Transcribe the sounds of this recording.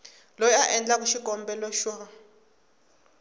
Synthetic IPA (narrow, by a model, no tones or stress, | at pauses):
lɔjaʔɛnd͡ɮak̬uʃiɡʱɔmbɛlɔʃwɔ